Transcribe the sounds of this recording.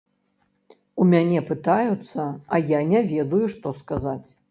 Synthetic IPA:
umʲanʲɛpɨt̪ajut̪sːɐɐjanʲɛvʲɛd̪ujuʂt̪ɔskazat͡sʲ

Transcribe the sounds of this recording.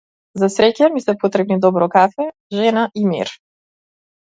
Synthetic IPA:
zasɾɛcamisɛpot̪ɾɛbnid̪ɔbɾɔkafɛ | ʒɛnaʔimḭɾ

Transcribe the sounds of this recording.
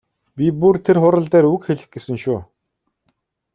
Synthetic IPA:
pʲipurt̪ʰerχʊɾə̆ɮt̪æːɾukxeɮɘ̆xɡesɘ̆ŋʃuː

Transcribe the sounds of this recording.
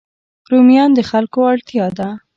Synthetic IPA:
ɾumjɑnd̪əxalkoaɽt̪jɑd̪a

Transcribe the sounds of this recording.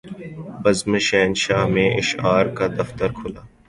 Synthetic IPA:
bɐzməʃɛːnʃaːɦmẽʔɪʃaːɾkad̪ɐft̪əɾkʰʊlaː

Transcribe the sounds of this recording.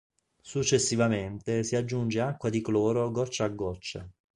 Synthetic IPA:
sut͡ʃːesːivament̪esiad͡ʒːund͡ʒeakːwad̪iklɔːɾoɡɔt͡ʃːaaɡːɔt͡ʃːḛ

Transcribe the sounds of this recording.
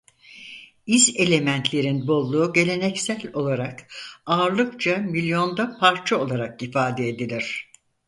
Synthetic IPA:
ize̞lʲe̞mænt̪ʰlʲe̞ɾinbo̞lˠːuːɟe̞lʲe̞nɛcsælʲo̞lˠaɾakaːɾlˠɯkt͡ʃʰamilʲjo̞nd̪apʰaɾt͡ʃʰaolˠaɾakifaːd̪eed̪ilʲiɾ̝̥

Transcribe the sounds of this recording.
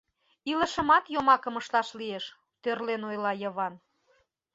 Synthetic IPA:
ilə̆ʃə̆mɑt̪jomɑkəməʃlɑʃlieʃ | t̪ørlenojlɑjəβɑn

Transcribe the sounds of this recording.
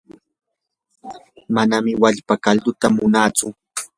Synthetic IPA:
manamɪwaʎpakald̪ʊt̪amʊnaːt͡sʊ

